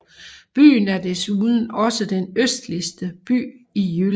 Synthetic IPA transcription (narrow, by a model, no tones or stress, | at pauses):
b̥y̰ːnæɐd̥esuðˠn̩ɒ̽səd̥enøsd̥lisd̥əb̥y̰ːijyl